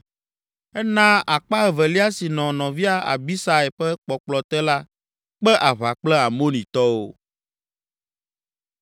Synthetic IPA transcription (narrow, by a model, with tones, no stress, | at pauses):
ɛ˦nã˦a˨k͡pa˦ɛ˨vɛ˨li˦a˦si˨nɔ̃˨nɔ̃˨vi˦a˦a̰˨bi˦sa˦ɛ˨ɸɛ˦k͡pɔ˨k͡plɔ˨t̪ɛ˦la˦ | k͡pɛ˦ʔa˨βa˨k͡plɛ˦a˨mo˦nĩ˨t̪ɔ˦wo˦